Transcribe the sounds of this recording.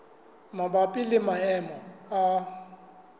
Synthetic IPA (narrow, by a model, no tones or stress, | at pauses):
mabapʼɪlɪmaɛmɔa